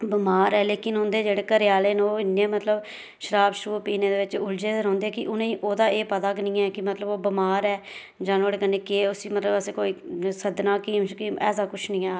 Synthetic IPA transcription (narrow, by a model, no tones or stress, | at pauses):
bɪmaːɾɛːleːkɪnɦõːnd̪eːd͡ʒeːɽeːkəɾɪjaːleːnoːɪnːẽːmət̪ləb | ʃəɾaːbʃɾuːpiːneːd̪eːʋɪt͡ʃʊld͡ʒeːd̪ɾɦɔ̃ːnd̪eːkɪʔʊnẽːʔoːd̪aːʔeːpəd̪aːknĩːɛːkɪmət̪ləboːbɪmaːɾɛː | d͡ʒãːnoːɽeːkənːeːkeʊsiːmət̪ləbəsẽːkoːiːsəd̪nãːkiːmkiɛ̰ːsaːkʊt͡ʃʰnĩːɛː